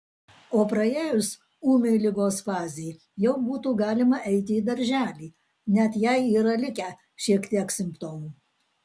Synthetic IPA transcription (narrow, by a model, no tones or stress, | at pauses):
oːpɾɐeːjʊs | uːmʲɛɪlʲɪɡoːsfɑːzʲɪj | jɛʊbuːt̪uːɡɑːlʲɪmɐʔɛɪt̪ʲɪiːd̪ɐɾʲʒʲæːlʲiː | nʲɛt̪jɛɪiːɾɐlʲɪkʲɛ | ʃʲiɛkt̪ʲiɛksʲɪmʲpt̪oːʋu